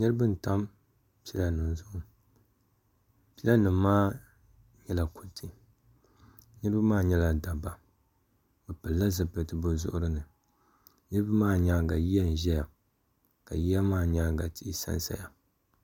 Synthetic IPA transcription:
nɨ˦ɾɨ˦bɨ˦n˨ta˦m | pi˦la˦nɨ˨m˨zʊ˦ʔʊ˦ | pi˦la˦nɨ˨mː˦aː˦ | ɲɛ˦la˨ku˨ntʰɨ˦ | nɨ˦ɾbɨ˦maː˦ɲɛ˦la˨da˨ba˨ | bɨ˨pɨ˨lːa˦zɨ˨pɨ˨tɨ˨bo˦zʊ̰˦ʔʊ˦ɾɨ˦nɨ˨ | nɨ˦ɾɨ˦bɨ˦maː˦ɲa˦ɡa˨ji˦ja˦n̩˨ʒɛ˦ja˨ | ka˨ji˦ja˦maː˦˨ɲa˦ɡa˨ti˦ʔsa̰˦nsa̰˨ja˨

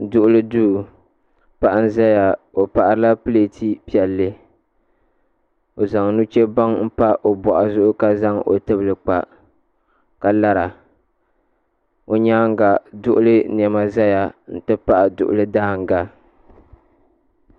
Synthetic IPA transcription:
dʊ˨ʔʊ˦lɨ˦duː˦˨ | pa˦˨ʔa˦n̩˦za˦ja˨o˨pa˨ʔa˦ɾɨ˦la˦pɨ˦le˨tʰi˦pi˨ɛ˨lːɨ˦ | o˨za˨ŋnu˦t͡ʃɛ˦ba˦ŋm̩˦pa˦ʔo˨bɔ˨ʔa˨zʊ˦ʔʊ˦ka˦za˦ŋʔo̰˨tɨ˦bɨ˨lɨ˨k͡pa̰˨ | ka˦la˦ɾa˨ | o˦ɲaː˦ŋ˦ɡa˨dʊ˦ʔʊ˦lɨ˦n˨ɛ˨ma˦za˦ja˨n̩˦˨tɨ˦pa˦ʔa˨dʊ̰˨ʔʊ̰˨lɨ˦daː˦ŋ˨ɡa˦

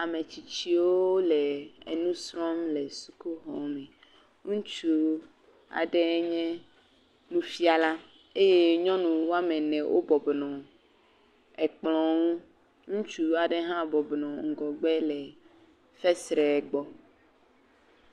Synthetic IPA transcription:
a˨me˨t͡ɕi˨t͡ɕi˦wo˦lɛ˨ḛ˨nũ˦sɾɔ̃˦mlɛ˨su˨ku˦ɦɔ̰˨˦mɛ̃˨ | ŋũ˦t͡ʃu˦ | a̰˨ɖɛ˦ɲɛ̃˦ | nũ˦fi˦a˨la˦ | e˦je˦ɲɔ̃˦nũ˨wo˦a˦mɛ̃˨nɛ̃˨wʔo̰˦bɔ˨bnɔ̃˨ | ɛ˨k͡plɔ̃˨ŋũ˦ | ŋũ˦t͡ʃu˦a˨ɖe˦ɦã˦bɔ˨bnɔ̃˨ŋ̩˨ɡɔ˨ɡ͡bɛ˦lɛ˨ | fɛ˦sɾɛ˨ɡ͡bɔ˨

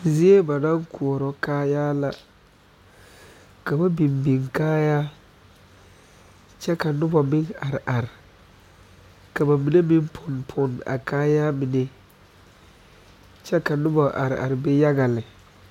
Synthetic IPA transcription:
zi˦e˦ba˨nã˦ŋku˨ɔ˨ɾɔ˨kaː˦jaː˦la˨ | ka˨ba˦bi˨mbi˨ŋkaː˦ja˦ | t͡ʃɛ˦ka˨nʊ˦ba˨bɪ˦ŋa˨ɾɪ˨ʔa˨ɾɪ˨ | ka˨ba˨mi˨ne˦mi˦m˦pʰʊ˨npʰʊ˨na̰˨kʰaː˦ja˦mi˨ne˦ | t͡ʃɛ˦ka˨nʊ˦ba˨ʔa̰˨ɾɪ˨a̰˨ɾɪ˨be˦ja˦ɡa˨lɪ˨

